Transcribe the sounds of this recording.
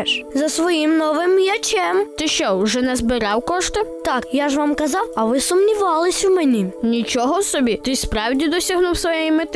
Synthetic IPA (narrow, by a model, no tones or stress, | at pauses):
zɐsʋɔjimnɔʋɪmjɐt͡ʃʲɛmt̪ɪʃt͡ʃɔwʒɛnɛzbɪɾɑwkɔʃt̪ɪt̪ɑkjaʒʋɑmkɐzɑwɐʋɪsʊmnʲiʋɑlˠɪsʲwmɛnʲinʲit͡ʃɔɦɔsɔbʲit̪ɪspɾɑwdʲid̪ɔsʲɐɦnuwsʋɔjɛjimɪt̪ɪ